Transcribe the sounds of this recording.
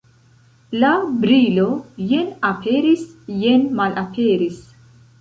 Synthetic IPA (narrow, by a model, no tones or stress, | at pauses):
labɾilo̞jenapʰe̞ɾisjenmalʔapʰe̞ɾis